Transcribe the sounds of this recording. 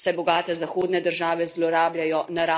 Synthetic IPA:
sɛbɔɡaːt̪ɛzaxoːd̪nɛd̪əɾʒaːʋɛzlɔɾaːblʲjajɔnaɾa

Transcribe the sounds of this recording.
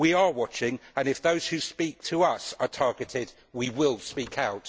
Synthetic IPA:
wiəwɒt͡ʃɪ̃ŋə̃nɪfðoʊz̥hʉspiˑk̚tʰəʌsə˞tʰɑɹɡɪtʰɪd | wiwɪlˠspiˑkʰaʊt

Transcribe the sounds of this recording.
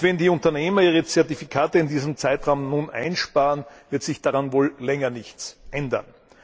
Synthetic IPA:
vɛndiːʊ̃ntɐneːmɐiːʁət͡sɛɐtifikʰaːtəɪndiːzəmt͡saɪtʁaʊmnnunʔa̰ɪnʃpaːʁənvɪɐtz̥ɪçd̥aʁanvoːllɛŋɐnɪçt͡sʔɛndɐ̰n

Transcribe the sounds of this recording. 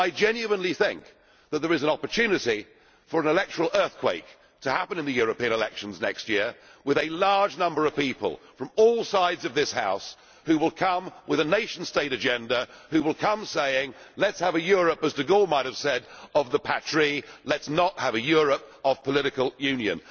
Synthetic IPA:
aɪd͡ʒɛ̃njʉə̃nliθɪ̃ŋk̚ | ðɨt̪̚ðə˞ɨz̃n̩ɑpə˞tʰʉnɨɾi | fə˞ɨ̃nɨlɛk̚tə˞l̩ˠɜ˞θkʰw̥eɪk | tʰɨhæpɨ̃nɨ̃nðɨjʊɹɨpĩɨ̃nəlɛkʃn̩znɛ̰kst̚jɪɹwɨðɨlɑɹd͡ʒnʌ̃mbə˞ʌv̥pipə̰lˠfɹʌ̃mɔlˠsaɪdzʌvðɪsha̰ʊs | hʉwəlˠkʰʌ̃mwɨðɨneɪʃn̩̥steɪɾɨd͡ʒɛ̃ndəhʉwəlˠkʰʌ̃mseɪɪ̃ŋlɨtshəvɨjʊɹɨpəzdɨɡɔmaɪt̚hɨv̥sɛɾʌvðəpʰætʰɹ̥ilɨtsnət̚həvɨjʊɹɨp̚ʌv̥pʰəlɪɾɨkəl̩ˠjʉ̃njɨ̰̃n

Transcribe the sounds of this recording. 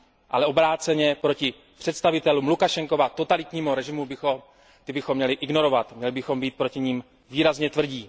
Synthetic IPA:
ʔa̰lɛobɾaːt͡sɛɲɛpɾo̞cɪ | pr̝̥ɛt̪st̪avɪt̪ɛlumlukaʃɛŋko̞vat̪o̞t̪alɪt̪ɲiːmuɾɛʒɪmubɪxom | t̪ɪbɪxomːɲɛlɪʔɪɡno̞ɾo̞vat̪mɲɛlɪbɪxo̞mbiːt̪̚pɾo̞cɪɲiːm | viːɾazɲɛt̪vr̩ɟiː

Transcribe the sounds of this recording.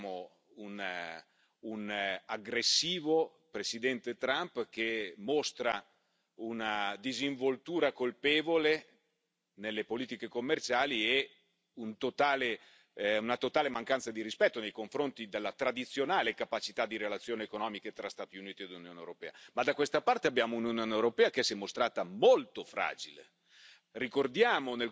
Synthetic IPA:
mo | un | unaɡɾesːiːvo | pɾesid̪ɛnt̪et̪ɾampk̟emost̪ɾa | unad̪iziɱvolt̪uːɾakolpeːvole | nelːepoliːt̪ikekomːert͡ʃaːlie | unt̪ot̪aːle | unat̪ot̪aːlemaŋkansad̪iɾispɛt̪ːonejkoɱfɾont̪id̪elːat̪ɾad̪it̪sːjonaːlekapat͡ʃit̪ad̪iɾelat̪sːjoːniekonɔːmiket̪ɾast̪aːt̪iuniːt̪ied̪lunjoːnḛwɾopɛ̰ːamad̪akwest̪apart̪eabjaːmounjunjoːnewɾopɛːak̟esɛmːost̪ɾaːt̪amolt̪ofɾa̰ːd͡ʒilḛ | rikord̪jaːmonel

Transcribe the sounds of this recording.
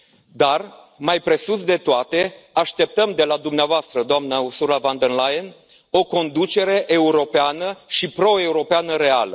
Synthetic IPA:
d̪ar | majpɾe̞susd̪e̞t̪oat̪e̞ | aʃt̪e̞p̚t̪əmd̪e̞lad̪umneavoast̪ɾəd̪oamnəusuɾavand̪ənlajen | o̞ko̞nd̪ut͡ʃe̞ɾe̞ʔe̞uɾo̞peanəʃipɾo̞e̞uɾo̞peanəɾe̞alə

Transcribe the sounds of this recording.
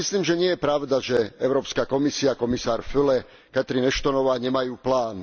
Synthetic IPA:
misliːmʒɛɲɪɛjɛpɾaʊd̪aʒɛɛʊɾɔːpskakɔmisiakɔmisaːɾfylɛ | kat̪ɾinɛʃt̪ɔnɔʋaːɲɛmajuːplaːn

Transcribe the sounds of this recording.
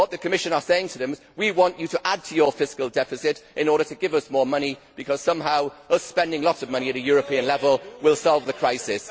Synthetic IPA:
wʌt̪̚ðəkʰəmɪʃə̃nəseɪɪ̃ŋtʰəðə̃mzwiwɒ̃nt͡ʃɨtəʔad̚tʰəjəfɪskəlˠdɛfɪsɪtʔɪ̃nɔːɾətəɡɪvʌsmɔːɹmʌñib̥ɨkʰʌz̥sʌ̃mɦaʊəspɛ̃ndɪ̃ŋlɔtsəvmʌ̃ñiɨɾɨjɔːɹəpʰĩə̃nlɛvəlˠwɪlˠsɔlˠvðəkʰɹ̥aɪsɪs

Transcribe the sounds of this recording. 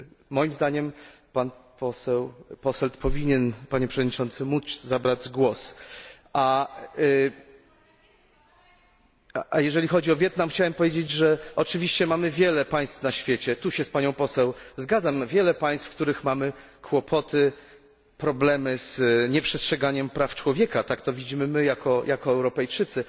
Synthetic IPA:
mɔjimzd̪aɲɛm | panpɔsɛwpɔsɛlt̪pɔvʲiɲɛnpaɲɛpʂɛvɔd̪ɲit͡ʂɔnt̪sɘmut̪zabɾad͡ʑɡwɔsʔa | ajɛʐɛlʲixɔd͡ʑiɔvʲjɛt̪namxt͡ɕawɛmpɔvʲjed͡ʑed͡ʑʐɛʔɔt͡ʂɘvʲiɕt͡ɕɛmamɘvʲjɛlɛpaj̃st̪fnaɕfʲjet͡ɕɛt̪uɕɛspaɲɔ̃w̃pɔsɛwzɡad̪zamvʲjɛlɛpaj̃st̪fk̚t̪uɾɘxmamɘ | kʰwɔpʰɔt̪ʰɘ | pɾɔblɛmɘzɲɛpʂɛstʂɛɡaɲɛmpɾaft͡ʂwɔvʲjɛkat̪akt̪ɔvʲid͡ʑimɘmɘjakʰɔjʔakɔɛwɾɔpɛjt͡ʂɘt̪sɘ

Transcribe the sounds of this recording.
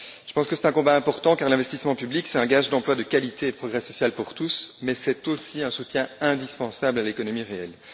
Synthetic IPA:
ʒ̥ə̥pɑ̃skəsɛ̥t̪ɛ̃kɔ̃baɛ̃pɔʁt̪ɑ̃kaʁlɛ̃vɛst̪ismɑ̃pybliksɛt̪ɛ̃ɡaʒd̪ɑ̃plwad̪əkalit̪eed̪əpχɔɡʁɛsɔsjalpuʁt̪usmɛsɛt̪osiɛ̃sut̪jɛ̃ɛ̃d̪ispɑ̃sablalekɔnɔmiʁeɛl

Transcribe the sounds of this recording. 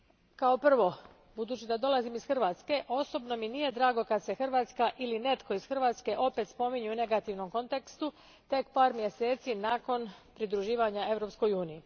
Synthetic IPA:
kao̞pr̩ʋo̞ | bud̪uːt͡ɕid̪ad̪o̞lˠazimisxr̩ʋaːt̪ske̞ʔo̞so̞bno̞minije̞d̪ɾaːɡo̞kad̪se̞xrʋaːt̪skaʔiline̞t̪ko̞isxr̩ʋaːt̪ske̞ʔo̞pe̞t̪spo̞miɲuune̞ɡat̪iʋno̞mko̞nt̪e̞kst̪u | t̪e̞kpaːɾmjese̞ːt̪sinako̞npɾid̪ɾuʒiːʋaɲae̞ʋɾo̞psko̞juːniji

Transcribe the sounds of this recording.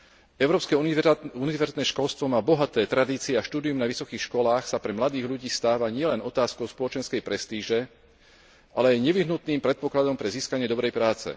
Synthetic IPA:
ɛʊɾɔːpskɛunivɛɾzit̪nɛːʃkɔlst̪ʋɔmaːbɔɦat̪ɛːt̪ɾad̪iːt͡siɛaʃt̪uːd̪iumnaʋisɔkiːxʃkɔlaːxsapɾɛmlad̪iːɣʎuɟiːst̪aːʋaɲɪɛlɛnɔt̪aːskɔʊspɔlɔt͡ʃɛnskɛjpɾɛst̪iːʒɛ | ʔalɛajɲɛʋiɦnut̪niːmpɾɛt̪̚pɔklad̪ɔmpɾɛziːskaɲɪɛd̪ɔbɾɛjpɾaːt͡sɛ̰

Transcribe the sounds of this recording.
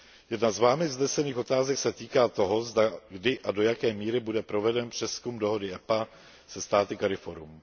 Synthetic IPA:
jɛdnazvaːmɪznɛsɛniːxo̞t̪aːzɛksɛt̪iːkaːt̪o̞ɦo̞zdaɡdɪʔado̞jakɛːmiːɾɪbudɛpɾo̞vɛdɛnpr̝̥ɛskumdo̞ɦo̞dɪʔɛpa | sɛst̪aːt̪ɪkaɾɪfoɾum

